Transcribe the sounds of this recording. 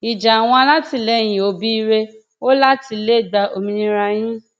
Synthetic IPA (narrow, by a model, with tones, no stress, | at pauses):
i˨d͡ʒa˨a˨w̃ɔ̃˧la˦ti˧lɛ˨˦˨j̃ĩ˨o˨˦bi˦i˦˧˦ɾe˧ | o˦la˦ti˧le˦˨ɡ͡ba˧ʔo˧mĩ˧nĩ˧˦ɾa˧j̃ĩ˦